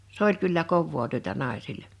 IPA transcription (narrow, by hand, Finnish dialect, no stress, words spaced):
s olʲ kylːæ koʋːoː tyøtæ nɑˑi̞silːe